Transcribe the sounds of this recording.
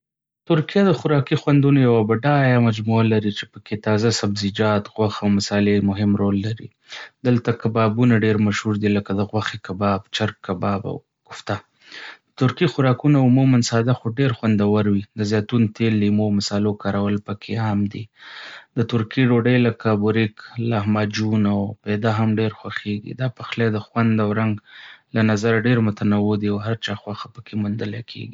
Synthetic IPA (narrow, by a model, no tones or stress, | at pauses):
t̪ʊɾkijad̪əxʊɾɑkixwand̪unojawabaɖajamad͡ʒmualaɾit͡ʃe̥pəket̪ɑzasabzid͡ʒɑt̪ɣwaxawmasɑlemʊɦɪmɾolːaɾḭ | d̪əlt̪akabɑbunaɖeɾmaʃhuɾd̪iləkad̪əɣwaxekabɑbt͡ʃaɾkːabɑba̰w | ɡ̥ʊft̪a | d̪̥ət̪ʊɾkixʊɾɑkunaʊmumansɑd̪axoɖeɾxwand̪awaɾwid̪əzjɑt̪unt̪elːimomɪsɑlokɑɾawəlpəkʰeɑmd̪ḭd̪ət̪ʊɾkiɖoɖəjləkabʊɾiklahmad͡ʒunawped̪aɦamɖeɾxwaxeɡḭd̪ɑpaxled̪əxwand̪awɾaŋɡlanazaɾaɖeɾmʊt̪anawʊd̪iawɦaɾt͡ʃɑxwaxḁpəkʰemʊnd̪əlakʰḛɡi